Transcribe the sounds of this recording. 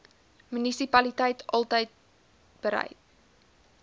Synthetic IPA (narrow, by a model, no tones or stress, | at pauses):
mynisipɐlitɛjtʰɑlˠtəjt̚ | b̥əɾɛ̰jt̚